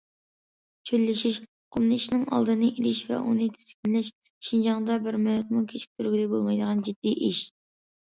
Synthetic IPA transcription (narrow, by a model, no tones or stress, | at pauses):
t͡ʃʰølːɪʃiʃ | qʰʊmnɨʃnɨŋɑ̰lˠd̪ɨnɨʔiɾɪʃvɛ̰ʔunɨt̪ʰe̥skʲinlɪʃ | ʃind͡ʒɑŋd̪ɑbɪɾmɛjt̪mukʲʰet͡ʃʰi̥k̚ʲt̪ʰyɾɡʲilɪbolˠmɑjd̪əʁɑnd͡ʒid̪̥ːiʔiʃ